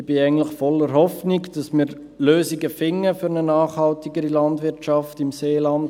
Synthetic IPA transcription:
b̥ɪæɪɡən̩tlɪχfɔlːəɾɦɔfnɪkd̥ɑsmɪː | løːsiɡəfɪŋːəfʏɾnənɑːχhɑltiɡəɾilɑndʋɪɾt͡ʃɑftɪmseːlɑnd

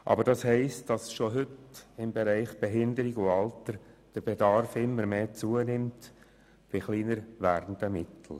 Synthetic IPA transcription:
ʔɑ̰bəɾd̥ɑshɛɪstd̥ɑsʃoɦʏtɪmbɛɾɛɪχb̥eɦɪndəɾiɡuɑltəɾd̥əɾb̥ɛdɑɾfɪmːəɾmeːt͡suənɪmt | b̥ɪχliːnəɾʋæːɾdən̩dəmɪtʰl̩

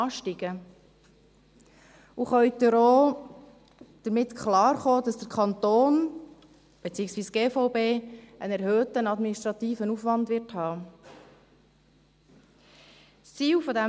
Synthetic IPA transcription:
ɑːʃtiɡ̥ə | uχœɥtəɾoː | d̥əɾmɪt̪kχlɑːɾχoːd̥ɑsd̥əɾkʰɑnt̪oːn | b̥et͡siːəksʋiːsɡ̥eːfɔʊbeːənɛɾhøːt̪ənɑdminiʃtɾɑt̪iːfənufʋɑndʋɪrthɑː | st͡siːwfɔdɛ

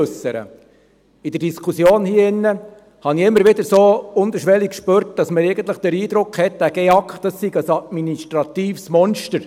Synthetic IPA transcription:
ɵsːəɾə̰ | id̥̪əɾdiskʰusjoːnhiːəɪnːə | hɑniɪmːəɾʋɪd̪əɾsoːʊnd̪əʃʋɛlikkʃpøːɾt̚d̥ɑsməɾɛɪɡənt̪ləχd̥əɾiːd̪ɾʊkχhɛt̚d̥æːɡ̥ɛɑkχtd̥ɑsːiɡəsɑd̪miniʃtɾɑt̪iːfsmɔnʃtəɾ

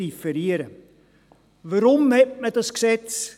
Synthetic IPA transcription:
ifəɾiəɾə | vəɾɔmɛt̚mɛtəsksɛts

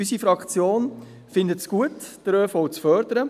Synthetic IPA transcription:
ysifɾɑkt͡sjoːn | fɪndətsɡ̥uətd̥əɾœːfɔwt͡sfœɾdəɾə

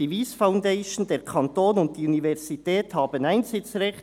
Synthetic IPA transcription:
iviːsfaʊndaɪʃn̩deːɾkʰɑntoːnʊnt̚d̥iːunivɛʁzitɛːthaːbənaɪnzɪt͡srɛçt

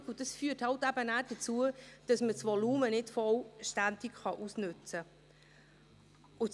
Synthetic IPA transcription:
kʊd̥ɑsfyːthɑltæbənæːɾd̥ət͡suəd̥ɑsməsvɔluːmənɪtfɔlʃtændikχɑʔusnʏt͡sə | ʊ

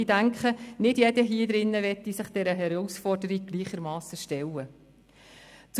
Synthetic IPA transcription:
idæŋkχənɪdjɛdəɦiːəd̪ɾɪnːəʋɛt̪ːisɪχd̥ɛɾəɦɛɾɔwsfɔrdəɾiɡ̚ɡ̥liːχəɾmɑːsəʃtɛlːə | t͡s

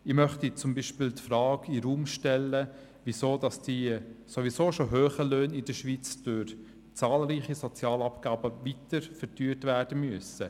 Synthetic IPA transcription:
ɪmœχtit͡sʊmbiʃpɪltfɾɑːkiɾuːmʃtɛlːə | ʋisoːdɑsd̥isoʋisoːʃoɦøːχəløːnɪdəʃʋit͡sd̥ʊɾ | t͡sɑːlɾiːχisɔt͡sjɑːlɑpɡ̥ɑːbəvitəɾfəɾtyːtvæːɾd̥əmyəsə

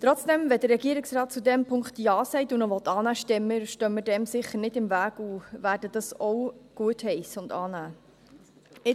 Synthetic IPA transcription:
t̪ɾɔt͡sd̥ɛmvɛd̥əɾrɾɛɡiəɾɪksrɑːt̚t͡sudɛmpʰʊŋkχt̪jɑːsɛɪtunɔʋɔt̪ɑːnæːʃtɛmːəʃtœmədɛmsɪχəɾnɪdɪmvæːɡ̥uvæːɾdəd̥ɑsɔwɡ̥uəthɛɪsʊndɑːnæː | ɪ

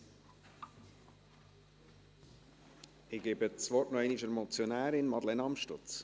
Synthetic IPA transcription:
ɪɡ̥eːbət͡svɔrtnɔɛɪniʃəɾmɔt͡sjonæːɾɪnmɑd̪lɛnɑmʃtʊt͡s

